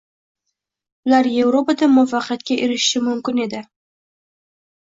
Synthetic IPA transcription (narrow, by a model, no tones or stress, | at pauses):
ʊlaɾje̞vɾopad̪amʊfɑqɑt̪kʲaʔeɾɪʃʃɪmʊmkʲɪne̞d̪ɪ